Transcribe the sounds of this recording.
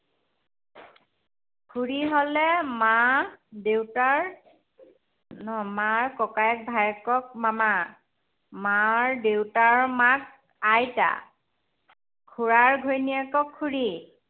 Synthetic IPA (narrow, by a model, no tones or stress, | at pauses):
kʰuɹiɦolɛmadewtaɹ | nɔmaɹkɔkajɛk̚bʱajɛkɔk̚mama | maɹdewtaɹmak̚ | ajta̰ | kʰuɹaɹɡʱojnijakɔkʰːuɹi